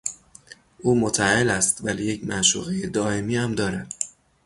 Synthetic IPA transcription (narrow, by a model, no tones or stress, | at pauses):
ʔuːmot̪ʰæelæst̪væliːje̞cʰmæʃṵːɣejed̪ɒːe̞miːæmd̪ɒːɾæd̪̥